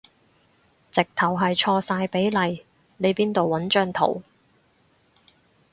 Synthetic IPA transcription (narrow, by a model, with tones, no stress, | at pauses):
t͡sɪ˨k̚t̪ʰɐ˨˩wɦɐ˨jt͡ʃʰɔː˧saː˧jpe˨˥jlɐ˨j | ne˨˧jpiː˥nt̪o˨wwɐ˨˥nt͡ʃœː˧ŋt̪ʰo̰˨˩w